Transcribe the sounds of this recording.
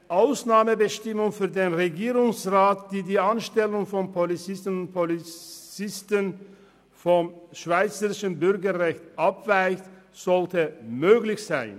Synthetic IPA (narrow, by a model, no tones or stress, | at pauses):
ʔaʊsnaːməbəʃtɪmʊŋfyːɐdeːnʁeɡiːʁʊŋsʁaːtd̥iːɐdiːʔanʃtɛlʊŋfɔnpʰolit͡sɪstən̩ʊntpʰolit͡sɪstən | fɔmʃv̥aɪt͡səʁɪʃənbʏʁɡɐʁɛçtʔapv̥aɪçtz̥ɔltəmøːɡlɪçz̥aɪn